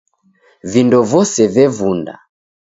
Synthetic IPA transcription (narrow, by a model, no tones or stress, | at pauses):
vindɔvɔsɛvɛvunda̰